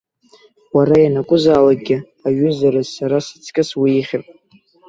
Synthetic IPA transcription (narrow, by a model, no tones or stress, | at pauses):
waɾajanakʷʼʊzaːlak̚ʼɡʲɪ | aɥʏzaɾɨzsaɾasɨ̥t͡sʰkʲʼɪswiiχʲɪrpʼ